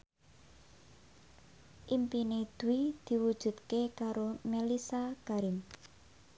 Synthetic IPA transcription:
ʔimpined̪̥ṳwid̪̥i̤wud̥ʒ̥ṳt̪kekaɾomelisakaɾɪŋ

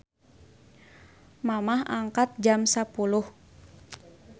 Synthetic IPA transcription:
mamaha̰ŋkat̪̚d͡ʒamsapulʊh

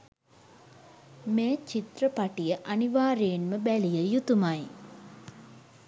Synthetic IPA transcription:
meːt͡ʃit̪rəpaʈijəʔaniʋaːɾeːnməbælijəjut̪umaj

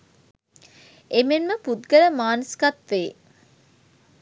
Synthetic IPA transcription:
emenməput̪ɡələmaːnəskat̪ʋeː

